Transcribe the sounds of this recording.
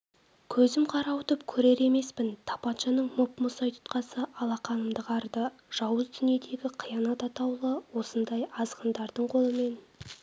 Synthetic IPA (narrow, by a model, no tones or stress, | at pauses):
kʲʰɵzɪmqʰɑɾɑwʊt̪əpkʲʰɵɾe̞ɾe̞me̞spɪnt̪ʰɑ̥pɑt̪ʃɑnəɴmopmʊsɑjt̪ʰʊ̥t̪qɑsəʔɑlˠɑqɑnəmd̪əqɑɾd̪ə | ʒ̥ɑwəzd̪ʏnije̞d̪e̞ɡʲɪqʰijɑnɑt̪ɑt̪ɑwlˠəwo̞sənd̪ɑjɑzʁənd̪ɑɾd̪əɴqʰo̞lˠəme̞n